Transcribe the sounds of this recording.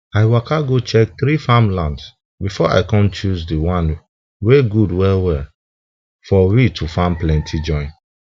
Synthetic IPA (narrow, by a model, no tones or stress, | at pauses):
aɪwakaɡot͡ʃɛk̚θɾifãmlãnds | bifɔa̰ɪkɔ̃mt͡ʃuzdiwãn | weɡudwɛlwɛ | fɔwitʰufãmplɛ̃ntʰid͡ʒɔ̃ɪ̃n